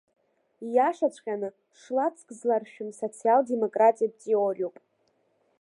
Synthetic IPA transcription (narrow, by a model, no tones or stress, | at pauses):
jaʂat͡ɕʷʼqʲʼanɨ | ʂlat͡sʰʼkʼzlarʃᶣʊmso̞t͡sʰialde̞mo̞kʼratʼijab̚t͡sʼiorʲuwpʼ